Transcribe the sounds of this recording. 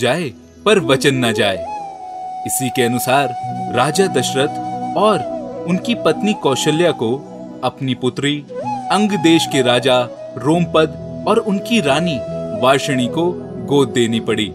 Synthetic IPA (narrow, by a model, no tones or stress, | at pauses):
d͡ʒaːe | pɐɾʋɐt͡ʃənːad͡ʒaːḛ | ɪsikeɐnʊsaːɾɾaːd͡ʒad̪ɐʃɾət̪ɔːɾʊnkipɐt̪nikɔːʃəljako | ɐpnipʊt̪ɾiɐ̃ŋɡd̪eːʃkeɾaːd͡ʒa | ɾoːmpɐd̪ | ɔːɾʊnkiɾaːniʋaːɾʃəɽ̃iko | ɡoːd̪̚ːeːnipɐɽiː